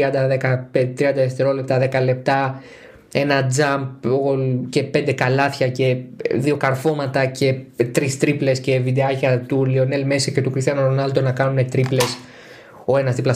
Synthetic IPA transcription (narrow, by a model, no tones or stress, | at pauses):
iɐnd̪ɐðekɐpet̪ɾiɐnd̪ɐeft̪e̞ɾo̞le̞pt̪ɐðe̞kɐle̞p̚t̪ɐ | e̞nɐd͡zɐmpolce̞pe̞nd̪e̞kɐlɐθçɐce̞ðio̞kɐɾfo̞mɐt̪ɐce̞t̪ɾist̪ɾiple̞sce̞vid̪eɐcɐt̪ulio̞nelmesɐcet̪ukɾist̪iɐnoɾonɐld̪o̞nɐkɐnune̞t̪ɾiple̞s | o̞e̞nɐst̪iplɐs